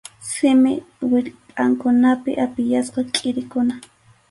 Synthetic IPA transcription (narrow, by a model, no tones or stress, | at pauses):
sɪmɪ | wɪʎpʼaŋkʊnapɪ̰ʔapɪjasqɑkʼɪɾɪkʊna